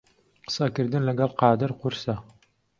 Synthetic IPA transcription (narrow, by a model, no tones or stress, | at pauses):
qə̥sɐkɨɾd̪ɨnlɐɡɛlqɑːd̪ɨɾqʊɾsa